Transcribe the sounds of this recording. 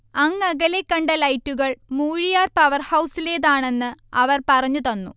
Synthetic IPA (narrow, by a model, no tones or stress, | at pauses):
ɐŋːɐɣɐle̞kːɐɳɖɐlɐjtːuɣɐɭmuːɻijaːrpɐʋɐrhɐwsile̞ːðaːɳe̞nːɨɐʋɐrpɐrɐɲːut̪ɐnːṵ